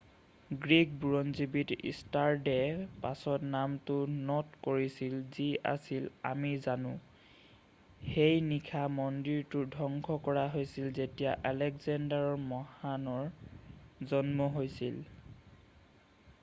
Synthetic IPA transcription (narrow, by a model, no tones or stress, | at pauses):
ɡɹik̚buɹɔnzibitḭstaɹdɛpasɔtnamtʊnɔtkoɹisilzia̰sila̰mizanʊ̃ | xejnikʰamɔndiɹtʊdʱɔŋɡʰʱɔkɔɹaɦojsilzetijaʔalɛkzandaɹɔɹmɔhanɔɹ | zɔnmɔɦojsḭl